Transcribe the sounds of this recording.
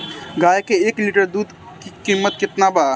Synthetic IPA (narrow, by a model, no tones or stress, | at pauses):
ɡaːjkeeːkliːʈəɾd̪uːd̪ | kikiːmːət̪̚kɪt̪nabaː